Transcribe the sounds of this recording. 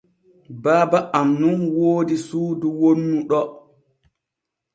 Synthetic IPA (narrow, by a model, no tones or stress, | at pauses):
baːbaʔamnunwoːdisuːduwonːuɗɔ